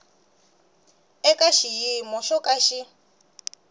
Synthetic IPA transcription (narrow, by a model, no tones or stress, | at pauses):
ɛkaʃijimɔʃɔkʼaʃi